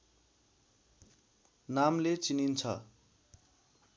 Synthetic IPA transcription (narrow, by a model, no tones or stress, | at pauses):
namlet͡sinint͡sʰʌ̰